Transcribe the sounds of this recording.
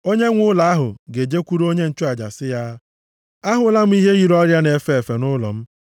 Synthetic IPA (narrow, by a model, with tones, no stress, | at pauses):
o˦ɲe˦ŋʷʊ˦la˨a˦ɦʊ̰˨ɡe˨d͡ʒe˦kʷu˦ɾu˦o˦ɲe˦n̩˦t͡ʃʊ˦a˨d͡ʒa̰˨sɪ˦ja˦ | a˦ɦʊ˨˦la˦m̩˦i˦ɦe˦ɣi˨ɾɔ˦ɾja˦ne˨fe˦˨e˨fe˨nʊ˦lɔ̰˨m̩˦